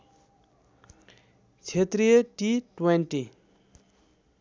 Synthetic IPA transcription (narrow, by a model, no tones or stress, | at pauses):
t͡ɕʰet̪ɾijəʈiʈwenʈi